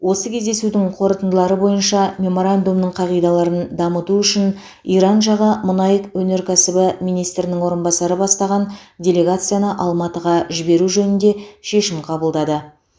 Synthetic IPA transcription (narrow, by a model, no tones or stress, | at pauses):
wo̞səkʲʰezd̪e̞sud̪ɪŋqʰo̞ɾət̪ənd̪əlˠɑɾəbo̞jənʃɑmʲe̞mo̞ɾand̪umnəɴqʰɑʁijd̪ɑlˠɑɾənd̪ɑmət̪uʏʃɪn | ijɾɑnʒɑʁəmʊnɑjəkwɵne̞ɾkʲʰæsɪbɪmijnijst̪ɾɪnɪŋwo̞ɾənbɑsɑɾəbɑst̪ɑʁɑndʲe̞lʲe̞ɡat̪sɨjanəʔɑlˠmɑt̪əʁɑʒɪbe̞ɾuʒɵnɪnd̪e̞ʃe̞ʃɪmqʰɑbəlˠd̪ɑd̪ə